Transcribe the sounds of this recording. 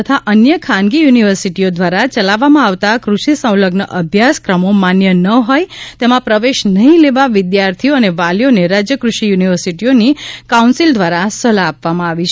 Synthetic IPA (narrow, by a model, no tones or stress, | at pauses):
ət̪ʰaʔənjəkʰanɡijuniʋəɾsiʈiod̪ʋaɾat͡ʃəlaʋːamãaʋt̪akɾuʃisə̃w̃ləɡnəʔəbʱjaskɾəmomanjənəɦojt̪emãpɾəʋeʃnəɦĩleʋaʋɪd̪jaɾt̪ʰioəneʋaljoneɾad͡ʒjəkɾuʃijuniʋəɾsiʈionikaũnsild̪ʱʋaɾasəlaːpʋamãaʋit͡ʃʰ